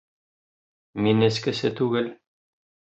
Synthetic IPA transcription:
minɘ̆skɘ̆sɘt̪ʉɡɘl

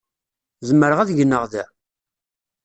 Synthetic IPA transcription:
zəmːəɾəʁæðʝənːəʁðæ

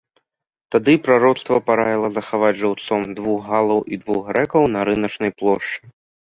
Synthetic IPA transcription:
t̪ad̪ɨpɾaɾɔt̪st̪vɐpaɾajʲilˠɐzɐxavad͡zʲʐawt̪sɔmd̪vuɣːalˠɐwid̪vuɣɾɛkɐwnɐɾɨnɐt͡ʂnɐjplˠɔʂt͡ʂɨ

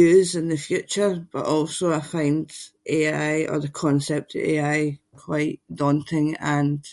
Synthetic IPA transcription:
ʉːzɪ̃nðəfjʉt͡ʃə˞b̥ʌ̰ʔɔlˠsoaɪfãɪ̃ndʔeaɪə̰˞ðəkʰɔ̃nsɛp̚tʰəḛaɪkʰw̥aɪʔd̥ɔ̃ntʰɪ̃ŋə̃n

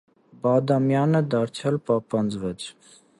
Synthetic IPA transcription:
bɑd̪ɑmjɑnəd̪ɑɾt͡sʰjɑlpɑpɑnd͡zvɛt͡sʰ

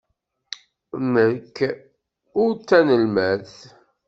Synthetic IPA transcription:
məkː | ʊɾt͡sːænəlmæθ

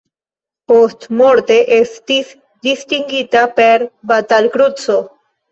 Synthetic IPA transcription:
post̪moɾt̪eʔest̪is | d̪ist̪iŋɡit̪apeɾbat̪alkɾut͡so

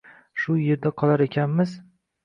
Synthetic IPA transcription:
ʃʊje̞ɾd̪aqʰɒlˠaɾekʲʰanmɪz

